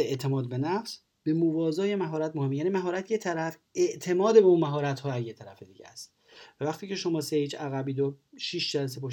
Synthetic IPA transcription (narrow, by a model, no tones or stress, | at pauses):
eeʔt̪ʰe̞mɒːd̪̚be̞næfs | b̥e̞movɒːzɒːje̞mæɦɒːɾæt̪mohemːjæːnimæɦɒːɾæt̪ʰjet̪ʰæɾæf | e̞ʔt̪ʰe̞mɒːd̪ebeuːnmæɦɒːɾæt̪hɒːæzjet̪ʰæɾæfed̪iːɟḛst̪ | vævæχt̪iːcʰe̞ʃo̞mɒːsehiːt͡ʃʰæɣæbiːd̪oʃiːʃd͡ʒælæs̬epʰoʃ